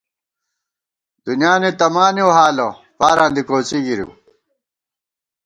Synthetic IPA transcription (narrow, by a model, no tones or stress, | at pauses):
d̪̥unjaːnet̪ɐmaːnioɦaːlo | paːɾãːnd̪ikoːt͡siɡiɾjṵ